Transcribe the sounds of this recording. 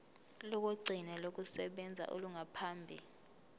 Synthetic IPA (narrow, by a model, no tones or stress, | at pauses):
lɔk̬ʼoɡ͡ǀʱinɛlok̬ʼusɛɓɛnd͡zʱa̰ʔo̰luŋʱapʰaːmbʱḭ